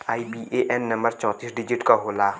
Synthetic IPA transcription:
ajbiʔeʔɛnːɐ̃mbəɾt͡ʃɔ̃t̪isɖid͡ʒiʈkaɦolaː

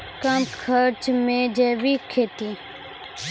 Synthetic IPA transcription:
kəmkʰəɾt͡ʃmẽːd͡ʒɛːʋiːkʰːeːt̪iː

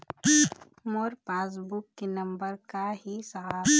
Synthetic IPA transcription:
moːɾpaːs̬bukːenɐ̃mbəɾkaɦisaɦaː

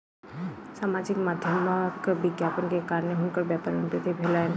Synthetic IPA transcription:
saːmad͡ʒɪkmad̪ʱjəmkbɪɡjapənkekaːɾneɦʊnkəɾbjapəɾənpɾət̪ibʱelan

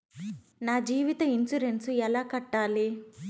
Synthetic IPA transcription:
naːd͡ʒiːʋit̪ɐinsuɾensuɛlaːkɐʈːaːli

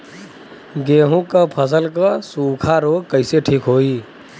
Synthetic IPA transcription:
ɡeːɦũkəpʰəs̬əlkəsuːkʰaɾoːɡ̚kəɪseʈʰiːkɦoːi

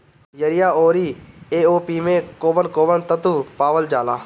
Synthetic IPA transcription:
jəɾɪjaːoːɾiːeːoːpiːmẽkoːbənkoːbənt̪ət̪upaːʋəld͡ʒaːlaː

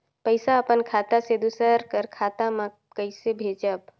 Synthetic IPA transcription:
pəɪsaəpənkʰat̪ased̪usəɾkəɾkʰat̪amã | kəɪsebʱed͡ʒəb

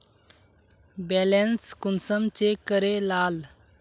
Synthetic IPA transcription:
bɛlenskunsəmt͡ɕekːəɾelal

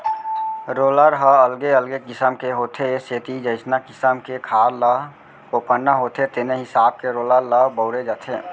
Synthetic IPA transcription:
ɾoːləɾɦəəlɡeəlɡekɪsəmkeɦoːt̪ʰeseːt̪id͡ʒəɪsnakɪsəmkekʰaːɾlə | oːpənːaɦoːt̪ʰet̪eneɦɪsaːb̚keɾoːləɾləbəʊɾed͡ʒat̪ʰeː

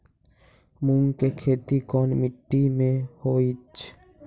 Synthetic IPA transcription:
mũŋkekʰeːt̪ikɔːnmɪʈːimẽhoːit͡ʃʰ

